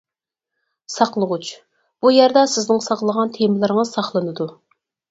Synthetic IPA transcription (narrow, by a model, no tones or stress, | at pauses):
sɑqlˠəʁut͡ʃ | b̥ujæɾd̪ɑsɪznɪŋsɑqlˠəʁɑnt̪ʰemɪlˠɨɾəŋəz̥sɑχlˠɨnɨd̪u